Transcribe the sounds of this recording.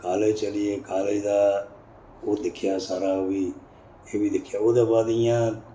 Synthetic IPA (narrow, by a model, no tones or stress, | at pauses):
kaːlet͡ʃəlɪjeːkaːleid̪aː | oːd̪ɪkʰɪjaːsaːɾaːʋiː | eːʋiːd̪ɪkʰɪjaːoːd̪aːbaːd̪ɪjãː